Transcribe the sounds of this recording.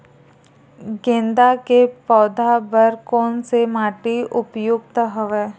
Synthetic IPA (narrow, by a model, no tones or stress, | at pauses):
ɡẽːnd̪akepɔːd̪ʱabəɾkɔːnsemaːʈiʊpjʊɡt̪əɦəʋeː